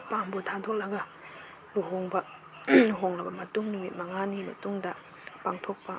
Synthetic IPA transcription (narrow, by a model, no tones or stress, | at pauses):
pambotʰadʰok̚lɐɡɐ | luɦoŋbɐ | uɦoŋlɐbɐmɐtuŋnumit̚mɐŋanimɐ̰tuŋdɐ | paŋtʰok̚pɐ